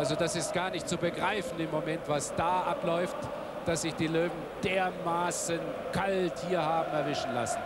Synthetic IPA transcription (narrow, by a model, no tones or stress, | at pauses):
ʔalzodasɪst̚ɡ̥aːɐnɪçtt͡subəɡʁaɪfn̩ɪmːomɛntv̥asd̥aːʔaplɔʏft | d̥asz̥ɪçd̥iːløːvn̩d̥eːɐmaːsənkʰalthiːɐhaːbm̩ɛɐvɪʃn̩la̰sn̩